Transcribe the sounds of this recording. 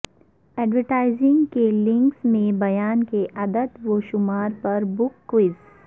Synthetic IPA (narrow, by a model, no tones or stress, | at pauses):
ɛːɖʋəɾʈaːɪzɪ̃ŋɡkelɪ̃ŋksmẽbɐjaːnkeʔɐd̪əd̪ʋoːʃʊmaːɾpɐɾbʊkːwɪz